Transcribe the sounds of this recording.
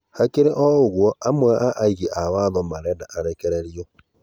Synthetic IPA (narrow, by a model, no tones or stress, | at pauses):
hakeɾeʔɔoɣwɔamwaʔaʔaiɣeʔawaðɔmaɾɛdaʔaɾɛkɛɾeɾjɔ